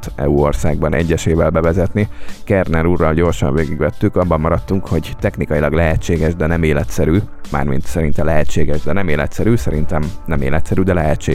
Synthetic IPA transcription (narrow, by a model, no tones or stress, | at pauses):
t̪ɛ̰uorsaːɡ̚bɒnʔɛ̰ɟːɛʃeːvɛlbɛvɛzɛt̪nikɛrnɛɾuːrːɒlɟo̞ːrʃɒ̰ɱveːɡiɡʋɛt̪ːykɒbːɒmmɒɾɒt̪ːuŋkho̞ɟt̪ɛxnikɒjilɒɡlɛɦɛt͡ʃːeːɡɛʒd̪ɛnɛmeːlɛt̪sɛɾyːma̰ːrmḭnt̪sɛɾint̪ɛlɛɦɛt͡ʃːeːɡɛʒd̪ɛnɛmeːlɛ̰t̪sɛɾyːsɛɾint̪ɛmnɛmḛːlɛt̪sɛɾyd̪ɛlɛɦɛt͡ʃeː